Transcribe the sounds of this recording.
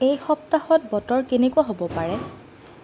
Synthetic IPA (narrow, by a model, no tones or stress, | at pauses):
ejxɔp̚taxɔt̚bɔtɔɹkenekuaɦobɔpaɹɛ